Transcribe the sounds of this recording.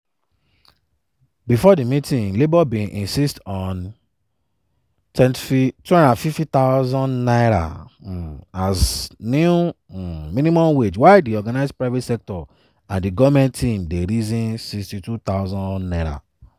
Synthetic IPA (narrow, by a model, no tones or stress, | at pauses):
bifɔdimitĩŋlebɔbĩʔĩnsistɔ̃n | tʰɛ̃ntfitwɛ̃nãnfiftit̪aʊzɔ̃nnaɪɾa̰ | aznu | mĩnimɔ̃mwed͡ʒwaɪdiɔɡanaɪzpɹaɪvetsɛk̚tɔ | ãndiɡɔvmɛ̃ntʰĩmdeɾizĩnsikstitutaʊzɔ̃nnaɪɹa̰